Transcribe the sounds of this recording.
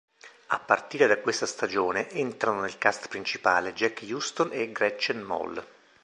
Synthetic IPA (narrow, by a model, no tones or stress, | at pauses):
a̰pːart̪iːɾed̪akwest̪ast̪ad͡ʒoːneʔent̪ɾanonelkast̪pɾint͡ʃipaːled͡ʒɛkːjust̪oneɡɾɛt͡ʃːanmɔ̰l